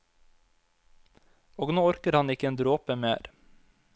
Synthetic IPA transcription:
oːɡnoːɔɾkəɾhɑnɪkəeːnd̪ɾoːpəmḛːɾ

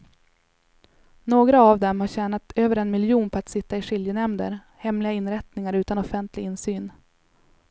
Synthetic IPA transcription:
noːɡɾaːvd̪ɛmhaɾɕɛːnat̪øːvəɾɛnmɪljuːnpʰɔat̪sɪt̪ːaɪʂɪljənɛmd̪ə̰ɾ | hɛmlɪɡaɪnɾɛt̪nɪŋaɾʉ̟ːt̪anɔfɛnt̪ʰlɪɡɪnsyːn

